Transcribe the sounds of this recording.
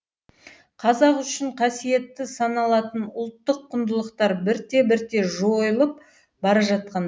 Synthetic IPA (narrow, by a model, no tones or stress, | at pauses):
qʰɑzɑqʏʃɪɴqʰɑsije̞t̪ːɪsɑnɑlˠɑt̪ənʊlˠt̪ːəqʰːʊnd̪əlˠəqt̪ɑɾbɪɾt̪e̞bɪɾt̪e̞ʒojəlˠəp̚ | bɑɾɑʒɑt̪̚qɑn